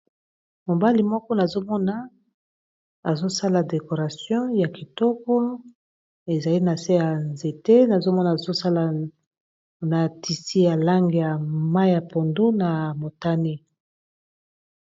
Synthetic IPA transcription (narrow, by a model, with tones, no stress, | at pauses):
mo˨ba˦li˨mɔ˦kɔ˦na˨zo˦mɔ˦na˨ | a˨zo˦sa˦la˨de˨ko˨ʁa˨sjɔ̃˦ja˨ki˨tɔ˦kɔ˦ | e˨za˨li˦na˨se˦ja˨nze˨te˦na˨zo˦mɔ˦na˨zo˦sa˦la˨ | na˨ti˨si˦ja˨la˦ŋɡe˨ja˨ma˦ja˨po˨ndo˦na˨mo˨ta˦ne˦